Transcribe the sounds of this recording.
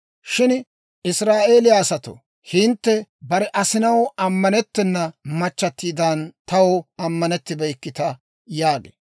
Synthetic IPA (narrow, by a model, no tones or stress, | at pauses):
ʃɪn | ɪsɾaːʔe̞ːlɪjasɐt̪o̰ | hɪnt̪ːɛbɐɾɛʔɐsɪnɐwɐmːɐnɛt̪ːɛnːɐmɐt͡ʃːɐt̪ːiːd̪ɐnt̪ɐwɐmːɐnɛt̪ːɪbɛjkːɪt̪ɐ | jaːɡḛ